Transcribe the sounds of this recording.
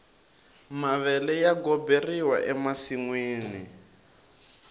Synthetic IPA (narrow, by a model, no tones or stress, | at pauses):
maβɛlɛjaɡɔberiwa̰ʔɛmasiŋweːni